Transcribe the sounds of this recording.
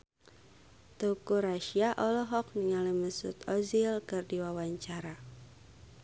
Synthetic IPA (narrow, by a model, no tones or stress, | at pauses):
t̪uukuɾaʃiaʔɔlɔɦɔk̚niŋaliməsṵt̪ɔzilkɨrdiwawaɲt͡ʃaɾa